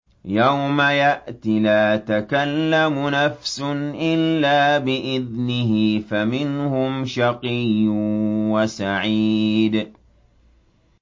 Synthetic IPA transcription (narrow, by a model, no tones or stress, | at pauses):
jawmajaʔt̪ɪlaːt̪akalːamʊnafsʊnʔɪlːaːbɪʔɪðnɪɦɪfamɪnhʊmʃɑqijːʊwasaʕiːd̪